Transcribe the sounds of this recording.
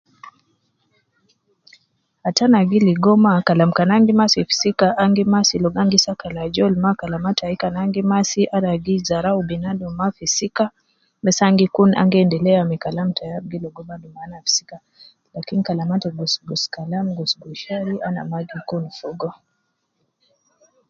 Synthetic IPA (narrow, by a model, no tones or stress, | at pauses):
atanaɡiliɡɔmakalam̩kanaŋɡimasifi̥sikaʔaŋɡimasilɔɡaŋɡisakalad͡ʒɔlmakalamataikanaŋɡimasiʔaɾaɡizaɾaubinadɔmafisika | mɛsaŋɡikuna̰ŋɡɛːndɛlɛamɛkalam̩tʰajamɡiliɡɔmadumanafi̥sika | lakinikalamataɡusɡuskalamɡusɡuʃaɾiʔana̰maɡikunfuɡɔ